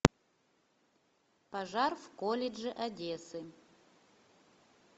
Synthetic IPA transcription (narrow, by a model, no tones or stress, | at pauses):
pɐʐarvkolʲɪʐɨʔɐdʲesɨ